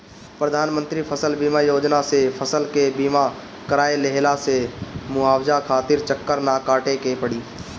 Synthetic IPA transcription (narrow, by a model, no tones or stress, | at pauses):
pɾəd̪ʱaːnmə̃nt̪ɾipʰəsəlbiːmajoːd͡ʒnasepʰəsəlkebiːma | kəɾaːeleɦlasemʊaːwd͡ʒakʰaːt̪ɪɾt͡ʃəkːəɾnakaːʈekepəɽiː